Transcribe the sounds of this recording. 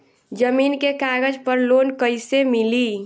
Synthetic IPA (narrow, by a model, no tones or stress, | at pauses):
d͡ʒəmiːnkekaːɡəd͡ʒpəɾloːnkəɪsemɪliː